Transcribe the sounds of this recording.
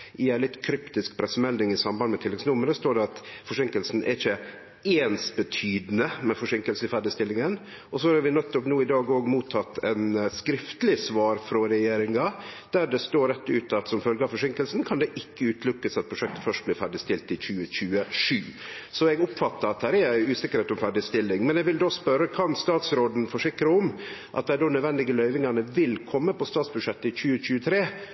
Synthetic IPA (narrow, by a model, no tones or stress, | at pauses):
ɪæɪlɪt̪ːkʰɾʏpt̪ɪskpʰɾɛsːəmɛld̪ɪŋɪsɑmbɑnd̪mɛt̪ʰɪlːɛɡsnʊməɾəst̪oːɖɛɑt̪fɔʂɪŋkəlsn̩ʔɛ̰ɾɪçə | eːnsbət̪ʰyːd̪nəmɛfɔʂɪŋkəlsəɪfæːɖɪst̪ɪlːɪŋən | ʔɔsɔɑɾʋɪnɛt̪ːɔpnuːɪd̪ɑːɡoːɡmuːt̪ʰːɑt̪ːɛnskɾɪft̪əlɪsʋɑːɾfɾɔɾɛjeːɾɪŋɑd̪̥æɖɛst̪oːɾɛt̪ːʉːt̪ɑt̪sɔmfœlɡəɑfɔʂɪŋkəlsn̩kʰɑnd̪ɛʔɪkːəʉːt̪lʉkːəsɑt̪̚pʰɾʊʂɛk̚t̪ə̥fœʂʈ̚bliːɾfæɖɪst̪ɪlt̪ɪçʉːəçʉːəʂʉːsɔɛɡʊpfɑt̪ːəɾɑt̪d̪æːɾɛæɪʉːsɪkːəɾheːt̪ɔmfæɖɪst̪ɪlːɪŋmɛnɛɡʋɪld̪oːspœɾːəkʰɑnst̪ɑːt̪sɾoːd̪n̩fɔʂɪkɾəɔmʔɑ̰t̪̚d̪æɪdoːnœd̪ʋɛnd̪ɪɡəlœʏʋɪŋɑnəʋɪlkʰɔmːəpɔst̪ɑːt̪sbʉdʂɛt̪ːəɪçʉːəc͡çʉːət̪ʰɾeː